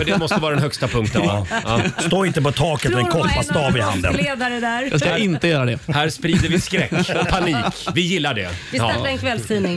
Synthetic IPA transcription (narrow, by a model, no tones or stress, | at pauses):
fœɖɛmɔst̪əvɑːɾadɛnhœkst̪apʰɵŋk̚t̪ənːst̪oːɪnt̪əpɔt̪ʰɑːkət̪ɔɛnkʰɔpːast̪ɑːvɪha̰nd̪ə̰nleːd̪aɾəd̪æɾj̰skaɪnt̪əjœːɾad̪ɛhæːɾspɾiːd̪əɾvɪskɾɛkːɔpʰaniːkvɪjɪlːaɖɛ̰ɪsɛaɾɛnkʰvɛlːst̪ʰiːnɪŋ